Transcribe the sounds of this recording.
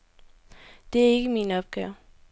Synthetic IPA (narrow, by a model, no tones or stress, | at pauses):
d̥e̝æɐe̝ɡ̥əminɒ̽b̥̚ɡ̥ɛːʊ